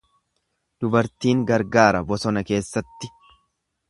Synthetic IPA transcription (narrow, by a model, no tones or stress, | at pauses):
d̪̥ʊbɐɾt̪iːŋɡɐɾɡaːɾɐbɔsɔnɐke̞ːsːɐt̪ːɪ